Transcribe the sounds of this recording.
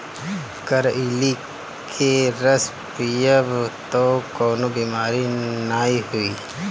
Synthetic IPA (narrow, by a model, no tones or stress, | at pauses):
kəɾili | kʰeɾəs | pijəbt̪okoːnobiːmaːɾinaːiɦʊiː